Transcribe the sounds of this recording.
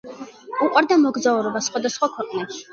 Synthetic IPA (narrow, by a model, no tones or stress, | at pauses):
uqʼwaɾd̪amɔɡzauɾɔbasχwad̪asχwakʰwɛqʼnɛʃi̥